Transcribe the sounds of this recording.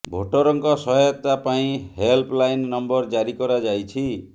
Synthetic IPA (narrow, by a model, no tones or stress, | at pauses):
bʱoʈɔɾɔŋkɔsɔɦɔjɔt̪apaĩhelplajnːɔmbɔɾd͡ʒaɾikɔɾad͡ʒajt͡ʃʰi